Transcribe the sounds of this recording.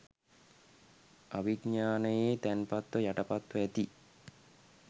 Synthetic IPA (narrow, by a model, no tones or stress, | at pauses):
aʋiɡɲaːnəjeːt̪ænpat̪ʋəjaʈəpat̪ʋəæt̪i